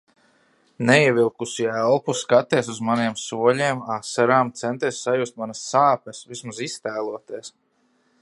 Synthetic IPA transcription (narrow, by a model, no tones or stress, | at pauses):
nɛiɛvilˠkusiælˠpuskat̪iɛs̬uzmaniɛmsuɔlʲiːmasaɾaːmt̪sɛnt̪iɛsːajust̪manɐsːaːpɛsvismazist̪æːlˠuɔt̪iɛs